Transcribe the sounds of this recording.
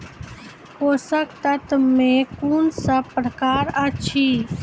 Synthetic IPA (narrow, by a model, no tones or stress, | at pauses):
koːsəkt̪ət̪mẽkuːnsəbpɾəkaːɾɐt͡ʃʰiː